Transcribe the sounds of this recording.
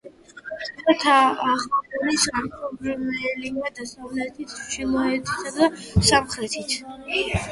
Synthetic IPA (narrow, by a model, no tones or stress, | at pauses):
tat̪ʰaːχadɔnisaɾpʰɔbɾɛmɛliad̪asavlɛt̪ʰit̪ʰʃimɔɦɛt̪ʰi̥t̪ʰad̪asamχɾɛt̪ʰit̪ʰ